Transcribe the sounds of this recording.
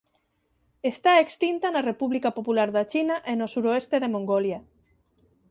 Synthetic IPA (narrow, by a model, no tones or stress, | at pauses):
est̪aekst̪int̪anarepuβlikapopulaɾðat͡ʃinaʔenosuɾoest̪eðemoŋɡolja